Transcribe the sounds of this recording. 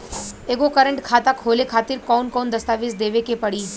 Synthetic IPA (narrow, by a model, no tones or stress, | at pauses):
eːɡokəɾə̃ɳʈkʰaːt̪akɦoːlekʰaːt̪ɪɾkɔːnkɔːnd̪ɐst̪aːʋiːsd̪eːʋekepɐɽi